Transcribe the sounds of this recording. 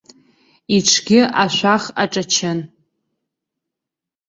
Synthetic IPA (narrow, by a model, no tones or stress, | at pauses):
iʈ͡ʂʰɡʲɪʔaʃʷaχa̰ʈ͡ʂʼat͡ʃʰɪn